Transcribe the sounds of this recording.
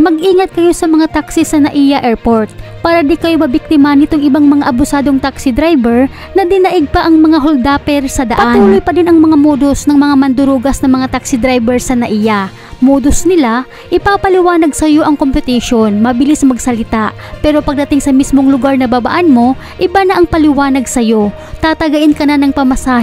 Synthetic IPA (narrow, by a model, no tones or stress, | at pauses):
mɐɡʔiːŋɐt̪̚kɐjo̞sɐmɐŋat̪aksisɐnɐʔijɐʔɛɹpoɹt̪̚paːɾɐd̪ikɐjo̞mɐbɪk̚t̪ɪmɐnɪt̪oŋʔɪbaŋmɐŋaʔɐbʊsaːd̪oŋt̪aksɪd̪ɾajbɛɹ | nɐd̪ɪnɐʔɪɡ̚pɐʔɐŋmɐŋaɦold̪aːpɛɾsɐd̪ɐʔpɐat̪uːlojpɐd̪ɪnʔɐŋmɐŋamoːd̪o̞snɐŋmɐŋamɐnd̪ʊɾuɡɐsnɐŋmɐŋat̪aksɪd̪ɾajbɛɹsɐnɐʔija | moːd̪o̞snɪla | ʔɪpaːpɐlɪwaːnɐɡsɐjo̞ʔɐŋko̞mpɛt̪ɛʃo̞nmɐbɪlismɐɡsɐlɪt̪aʔ | pɛːɾo̞pɐɡ̚d̪ɐt̪ɪŋsɐmismo̞ŋlʊɡaɹnɐbaba̰ʔanmo̞ | ʔɪbanɐʔɐŋpɐlɪwaːnɐɡ̚sɐjo̞ | t̪aːt̪ɐɡɐʔɪnkɐnanɐŋpɐmɐsaːh